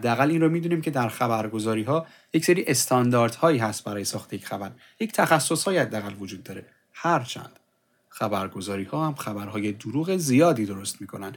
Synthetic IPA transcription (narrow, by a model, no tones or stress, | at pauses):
hæd̪ːeæɣælːiːnɾomiːd̪uːniːmcʰe̞d̪æɾxæbæɾɡo̞zɒːɾiːɦɒː | jecseɾiːʔe̞st̪ʰɒnd̪ɒːɾd̪̥hɒːiːɦæst̪̚bæɾɒːjesɒːxt̪ʰejecʰxæbæɾ | ject̪ʰæxæsːo̞shɒːjhæd̪ːeæɣælvod͡ʒuːd̪ːɒːɾe̞ | hæɾt͡ʃʰæ̰nd̪̥ | xæbæɾɡo̞zɒːɾiːhɒːhæmxæbæɾhɒːje̞d̪uɾuːɣe̞zijɒːd̪iːd̪o̞ɾost̪miːkʰo̞nænd̪̥